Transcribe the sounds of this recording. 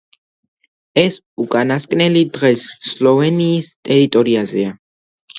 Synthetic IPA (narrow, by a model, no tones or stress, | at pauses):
ɛs | ukʼanaskʼnɛlid̪ʁɛsːlɔvɛniːst̪ʼɛɾit̪ʼɔɾiazɛa